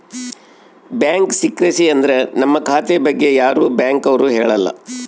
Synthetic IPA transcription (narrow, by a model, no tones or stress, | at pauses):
bjaːŋksikɾɐsiɐnd̪ɐɾe̞nɐmːɐkʰaːt̪ebɐɡːe̞jaːɾuːbjaːŋkɐʋɐɾuːɦeːɭɐlːɐ̰